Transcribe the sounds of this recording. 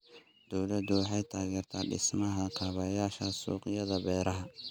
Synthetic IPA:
d̪̥ɔwlɐd̪ʊwɑħɑjt̪ʰaːɣɛːrt̪ʰaːɖɪ̰smɐɦɐkʰɐːβɐjaːʃɐsṵːqɪjɐðɐbɛːɾɐɦɐ

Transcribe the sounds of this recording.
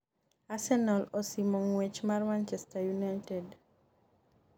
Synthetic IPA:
asɛnalɔsimɔŋwet͡ʃmarmant͡ʃɛstajunajtɛd

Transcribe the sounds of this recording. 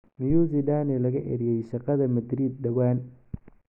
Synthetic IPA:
mɪjuːzidaːnɛlɐɣɐʔɛ̰ɾjɛjʃɑqɑðɐmɐd̪ɾiːd̪̚ːɐwaːn

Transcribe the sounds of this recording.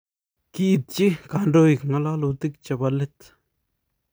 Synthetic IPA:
kiʔt̪̚t͡ɕikaɳɖ͡ʐojək̚ŋalalot̪ək̚t͡ɕəpalet̪

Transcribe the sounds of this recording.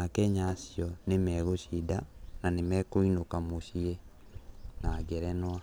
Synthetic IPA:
akɛɲasiɔnemɛɣoʃidananemɛkoinokamosie | naɡɛɾɛnwa

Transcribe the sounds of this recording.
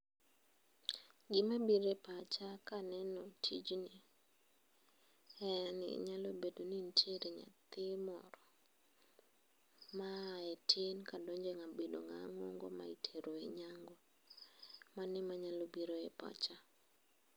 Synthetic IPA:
ɡɪmabiɾepat͡ʃakanɛnɔtʰid͡ʒni | ɛnɪ̰ɲalobedonintʰeɾeɲa̰t̪ɪmɔ̰ɾɔ | maetʰenkadɔɲd͡ʒeŋabedo̰ŋa̰ŋo̰ŋɡoma̰itʰeɾoeɲaŋɡɔ | manɪmaɲalobiɾoepa̰t͡ʃa

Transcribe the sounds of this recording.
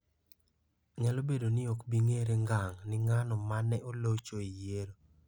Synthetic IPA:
ŋɛlobedonɪokbiŋeɾeŋɡaŋnɪŋanɔmanɛʔolot͡ʃoijeɾo

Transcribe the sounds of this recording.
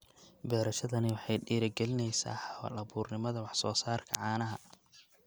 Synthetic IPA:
bɛːɾɐʃɐðɐnɪwɑħɑjɖiːɾɐɡɛlɪnɛjsa̰ːħɑwɐ̰lɐβuːrnɪmɐðɐwɑħsɔːsaːrkʰɐ̰ʕɑːnɐɦɐ

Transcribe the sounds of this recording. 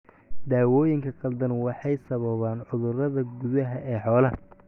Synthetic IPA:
d̪aːwɔːjɪŋkʰɐqɐld̪ɐnwɑħɑjsɐβɐβaːnʕʊðʊrɐðɐɡʊðɐɦɐʔɛːħɔːlɐ

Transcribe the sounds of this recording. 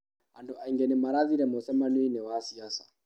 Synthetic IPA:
antuaiŋɡɛnɛmaɾaðiɾɛmɔsɛmanuinɛwasiasḁ

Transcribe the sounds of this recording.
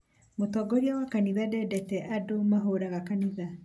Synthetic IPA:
motɔɡɔɾiawakaniðadɛdɛtɛʔadomaɦoɾaɣakaniða

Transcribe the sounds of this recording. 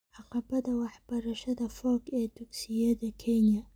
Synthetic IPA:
ʔɑqɑbɐd̪ɐwɑħbɐɾɐʃɐd̪ɐfɔːɡɛːt̪ʊksɪjɐd̪ɐkʰɛnjɐ

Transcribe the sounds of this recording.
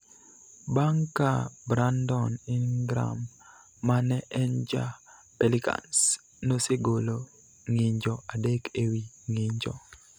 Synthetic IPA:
baŋkabɾandɔnɪɡɾa̰mː | anɛʔɛnd͡ʒa̰ | pɛlɪka̰ns | noseɡolo | ŋɪɲd͡ʒɔadekewi | ŋɪɲd͡ʒɔ̰

